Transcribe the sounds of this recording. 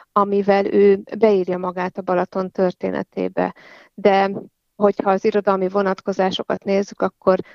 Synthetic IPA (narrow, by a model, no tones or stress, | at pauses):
ɒmivɛløːbɛiːrjɒmɒɡaːt̪ɒbɒlɒt̪o̞nt̪ø̞rt̪ḛːnʔɛ̰t̪ḛːbɛ̰ | d̪ɛ | ɦo̞chɒːziɾo̞d̪ɒlmivo̞nɒt̪ko̞zaːʃo̞kɒt̪neːzːykɒkːo̞r